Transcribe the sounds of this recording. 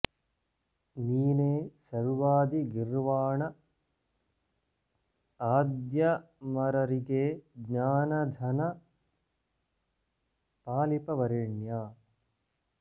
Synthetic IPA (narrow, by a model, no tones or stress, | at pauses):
niːneːsɐɾʋaːd̪iɡiɾʋaːɳɐ | aːd̪jɐ | mɐɾɐɾiɡeːɡɲaːnɐd̪ʱɐnɐ | paːlipɐʋɐɾiɳjaː